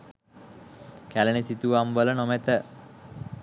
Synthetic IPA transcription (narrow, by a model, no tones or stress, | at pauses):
kælənit̪it̪uʋamʋələnomet̪ə